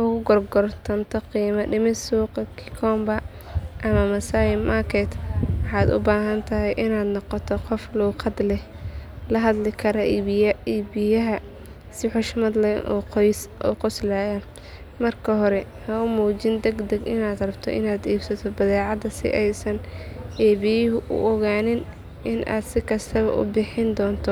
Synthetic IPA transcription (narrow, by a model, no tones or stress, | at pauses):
ʔʊɣʊɡɔrɡɔrt̪ʰɐnt̪ʰɔqiːmɐɖɪmɪsuːqɐkʰɪ̥kʰɔːmbɐ | ʔɐmɐmɐsaːjɪmɐkʰɛt̪wɑħɑːd̪ʊ̰baːɦɐnt̪ʰɐɦɛjʔɪnaːd̪nɔqɔt̪ʰɔqɔfluːqʰɑd̪lɛh | lɐɦɐd̪lɪkʰɐɾɐiːbɪjɐɦɐ | sɪħʊʃmɐd̪lɛʔɔːqɔjsʔɔːqʊslaːjɐ | mɐrkʰɐɦɔɾɛ | hɐʊmuːt͡ʃɪnd̪ɛɡd̪ɛɡɪnaːd̪rɐbt̪ʰɔ̰ʔɪ̰naːd̪iːbsɐt̪ʰɔbɐðɛːʕɑd̪ɐsɪ̰ʔɛjsɐnʔɛːβɪjɪɦʊʔʊ̰ʔɔɣaːnɪn | ʔɪnʔa̰ːd̪sɪkʰɐst̪ʰɐβɐ̰ʔʊ̰bɪħɪnd̪ɔːnt̪ʰɔ